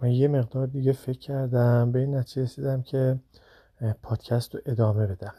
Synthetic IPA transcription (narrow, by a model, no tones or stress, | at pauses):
mænjeme̞ɣd̪ɒːɾd̪iːɡefe̞cʰːæɾd̪æmbe̞iːnːæt̪ʰid͡ʒeɾesiːd̪æmcʰe | pʰɒːd̪̥cʰæst̪oʔe̞d̪ɒːme̞be̞d̪æm